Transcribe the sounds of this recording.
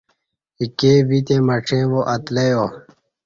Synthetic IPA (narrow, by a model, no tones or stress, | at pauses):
ikeːbit̪ẽːmɐʈ͡ʂʰẽːʋoʔɐt̪lejoː